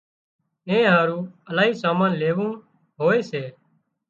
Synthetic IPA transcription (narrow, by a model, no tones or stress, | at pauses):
ẽːɦaːɾũːəlaːɦiːsaːmãːnleːʋũː | ɦoːeːseː